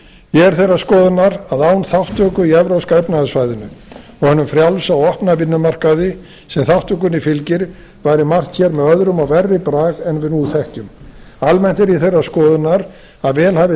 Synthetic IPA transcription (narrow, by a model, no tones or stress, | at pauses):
jɛɣɛɾ̥θejrːaskɔːðʏnaɾaðaːwnθawht̪œkʏiɛvɾawskaɛjpnaðsvaːjðɪnʏ | ɔɣhɛnʏmfɾjalsawɔhpnavɪnːʏmar̥kaðɪ | sɛmθawht̪œk̬ʏnifɪlcɪɾ | vaːjɾɪmar̥t̪çɛɾmɛðœðɾʏmawvɛrːɪpɾaːɣɛnvɪðnuːθɛhcʏm | almɛnt̪ɛɾiθejrːaskɔːðʏnaɾ | aðvɛːlhaːvɪ